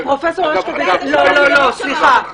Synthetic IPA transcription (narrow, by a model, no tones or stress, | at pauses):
ɔfɛsɔlɔlɔlɔsixa